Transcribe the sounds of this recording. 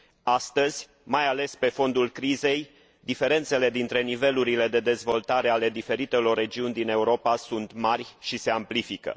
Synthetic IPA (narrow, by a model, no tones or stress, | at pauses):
ast̪əz̥ʲ | majale̞spe̞fo̞nd̪ulkɾize̞j | d̪ife̞ɾe̞nt̪se̞le̞d̪int̪ɾe̞nive̞luɾile̞d̪e̞d̪e̞zvo̞lt̪aɾe̞ale̞d̪ife̞ɾit̪e̞lo̞rːe̞d͡ʒiunʲd̪ine̞uɾo̞pasunt̪marʲʃise̞amplifikə̰